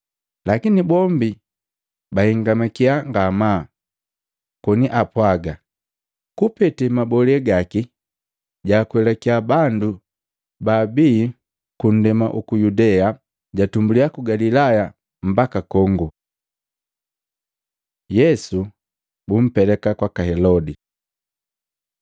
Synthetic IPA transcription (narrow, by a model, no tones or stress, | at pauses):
lakinibɔmbi | bahiŋɡamakiaŋɡamaː | kɔniʔapwaɡa | kupɛtɛmabɔlɛɡaki | ɟakwɛlɛkiabandu | baːbiː | kun̩dɛma̰ʔukujudɛa | ɟatumbuliakuɡalilaja | m̩bakakɔŋɡu | jɛsu | bum̩pɛlɛkakwakahɛlɔdi